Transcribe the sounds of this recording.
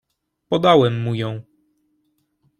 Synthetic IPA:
pɔd̪awɛmːujɔ̃w̃

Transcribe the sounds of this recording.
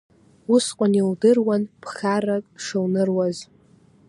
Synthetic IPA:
usqʷʼaniwdɨrwanpʰχarakʼʂɨwnɨrwaz

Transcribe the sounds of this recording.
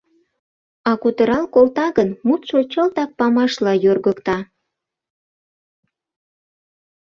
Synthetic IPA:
ɑkut̪əɾɑlkolt̪ɑɣənmut̪ʃot͡ɕəlt̪ɑk̚pɑmɑʃlɑjørɣəkt̪ɑ

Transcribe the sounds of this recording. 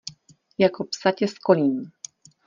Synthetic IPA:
jakopsacɛskolʲiːn

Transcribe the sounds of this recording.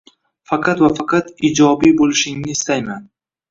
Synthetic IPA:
fɑqʰɑt̪vafɑqʰɑt̪id͡ʒɒbibolˠɪʃɪŋnɪːst̪ajman

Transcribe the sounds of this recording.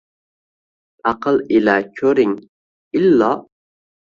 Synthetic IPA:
ʔɑqʰəlˠilækʲʰøɾɪŋ | ilːɑ

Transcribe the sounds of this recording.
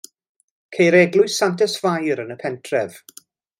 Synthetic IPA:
kʰejɾɛɡlˠʊɨsantɛsv̥ajɾənəpʰɛntʰrɛv̥

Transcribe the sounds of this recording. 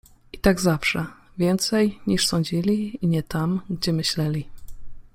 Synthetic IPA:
it̪aɡzafʂɛvʲjɛnt̪sɛjɲiʂsɔɲd͡ʑilʲiiɲɛt̪amɡd͡ʑɛmɘɕlɛlʲi

